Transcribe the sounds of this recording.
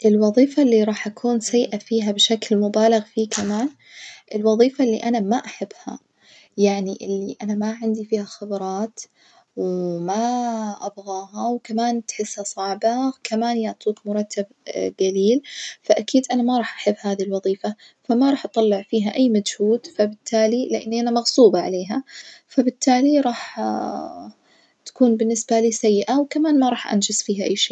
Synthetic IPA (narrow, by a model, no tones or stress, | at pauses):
ʔɪlwɑðˤiːfalːiɾˤɑːħʔakʰuːnsajːʔafiːɦabʃaklmʊbaːlɪɣfiːkamaːn | ʔɪlwɑðˤiːfalːḭʔanamaʔaħabːha̰ | jaʕniʔɪlːiʔanamaʕɪnd̪ifiːhaxabɾˤɑːt̪ | wmaʔabɣɑːɦawkamaːnt̪ħɪsːhasˤɑʕbakamaːnjaʕt̪ˤiːkmʊɾˤɑt̪ːab̚ | ɡaliːlfaʔakiːd̪ʔanamaɾˤɑːħʔaħɪbːhaːðilwɑðˤiːfa | famaɾˤɑːħʔɑt̪ˤɑlːɪʕfiːɦaʔajːmad͡ʒhuːd̪fabɪt̪ʰːaːlilɪʔanːʔanamɑɣsuːbɑʕaleːɦafabɪt̪ːaːliɾˤɑːħ | t̪ḁkuːnbɪnːɪsbaliːsajːɪʔawkamaːnmaɾˤɑːħʔa̰nd͡ʒɪsfiːɦaʔajːʃeː